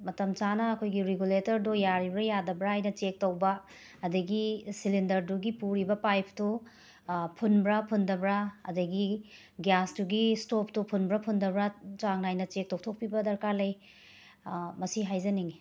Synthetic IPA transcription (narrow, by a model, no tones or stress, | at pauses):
mɐtɐmt͡ʃanɐːkʰojɡiɾeɡuletɐɾdojaɾibɾɐjadɐbɾɐajnɐt͡ʃek̚tɐwbɐː | dɐɡisilindɐɾduɡipuɾibɐpajp̚ʰtu | pʰunbɾɐpʰundɐbɾɐɐ̰dɐɡi | ɡjastuɡistop̚tupʰunbɾɐpʰundɐbɾɐt͡ʃaŋnajnɐt͡ʃek̚tok̚tʰok̚pibɐdɐɾkalɐj | mɐsiɦajzɐniŋi